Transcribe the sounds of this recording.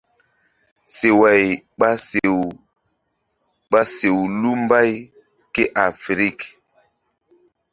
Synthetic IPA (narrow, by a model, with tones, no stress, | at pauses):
se˨wa˨j | ɓa˦se˨w | ɓa˦se˨wlu˦m˦ba˦j | ke˦ʔa˨fɾi˦˨k